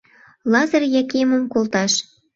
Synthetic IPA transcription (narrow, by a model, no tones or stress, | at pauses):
lɑzərjɑkemə̆mkolt̪ɑʃ